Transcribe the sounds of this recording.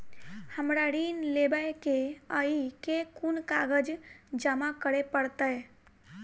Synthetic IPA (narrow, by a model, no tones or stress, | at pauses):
həmɾaɾinlebəjkeəikekunkaɡəd͡ʒd͡ʒəmakəɾepəɽt̪ə